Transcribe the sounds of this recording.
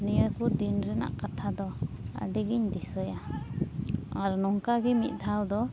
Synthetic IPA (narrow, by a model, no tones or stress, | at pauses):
nijəkud̪inɾɛna̰ʔkat̪ʰad̪ɔa̰ɖɛɡiɲd̪isəja | aɾnɔŋkaɡɛmit̪̚ˀd̪ʰʱawd̪ɔ